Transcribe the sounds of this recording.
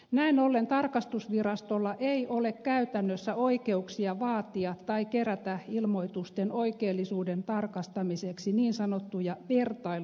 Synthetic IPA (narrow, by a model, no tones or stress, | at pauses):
næinolːent̪ɑrkɑst̪usʋirɑst̪olːɑʔeiʔolekkæyt̪ænːøsːæoikeuksiɑʋɑːt̪iɑt̪t̪ɑikeræt̪æilmoit̪ust̪enoikeːlːisuːdent̪ɑrkɑst̪ɑmiseksiniːnsɑnot̪ːujɑʋert̪ɑi